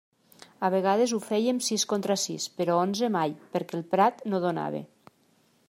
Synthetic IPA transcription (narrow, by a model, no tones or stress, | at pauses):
aβ̞eɣ̞að̞ezufɛjemsiskont̪ɾasḭspeɾɔonzemajpeɾkɛlˠpɾat̪noðona̰β̞ḛ